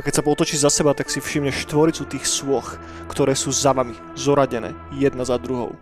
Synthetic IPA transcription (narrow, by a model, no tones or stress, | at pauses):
akɛcsapɔt̪ɔt͡ʃiːʒzasɛbat̪aksifʃimɲɛʃʃt̪ʋɔɾit͡sut̪iːxswɔx | kt̪ɔɾɛːsuːzaʋami | zɔɾaɟɛnɛ̰ːjɛd̪nazad̪ɾuɦɔ̰ʊ